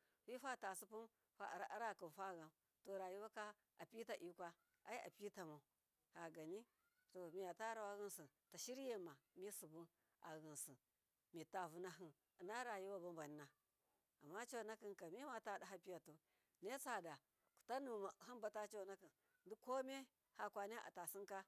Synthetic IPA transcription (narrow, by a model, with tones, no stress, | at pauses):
wi˦fa˦˨ta˨su˦pu˦m | fa˦˨ɾa˦ɾa˦˨ki˨nfa˦˨ɣa˨m | to˨ɾa˨ju˦wa˦ka˦ | a˨pi˦ta˨ʔi˦kʷa˦ | a˦i˦ʔa̰˨pi˦ta˨ma˨u˨ | ha˨ɡa˨ni˦ | to˨mi˨ja˨ta˦ɾa˨wa˦ɣi˦nsi˨ta˨ʃi˦ɾje˦˨ma˨mi˦su˨bu˦n | a̰˨ɣɨ˨nsi˨ | mi˨ta˨vu˦na˦ɦɨ˦˨ | na˦ɾa˨ju˦wa˦bu˦mba˨ni˦na˨ | a˨mːa˦t͡ʃo˦˨na˦ki˨nka˨mi˦ma˨ta˦˨da˨ɦa˦pi˦ja˨to˨ | ne˦t͡sa˨da˨ | ku̥˨ta˦nu˨ma˨ha˦nba˨ta˦t͡ʃo˦na˦ki˨n | di˦ko˦me˦ | ha˨kʷa˨ne˦ʔa̰˨ta˨si˦ŋka˦